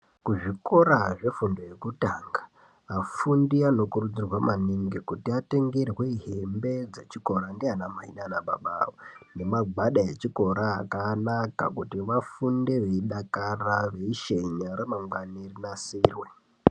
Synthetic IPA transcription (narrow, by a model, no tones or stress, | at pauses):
kuʐiko̞ɾaʐe̞fundo̞je̞kutaŋɡa | afundiano̞kurud͡zirwamaniŋɡekutiate̞ŋɡerweiɦembe̞d͡zet͡ʃiko̞ɾandeɦanamaɦḭnanaɓa̰ɓa̰one̞maɡaɗajet͡ʃiko̞ɾaːkanaka̰kutiʋafunde̞ʋe̞iɗakaraʋe̞iʃe̞ɲaɾemaŋɡwanirinasiːrwe̞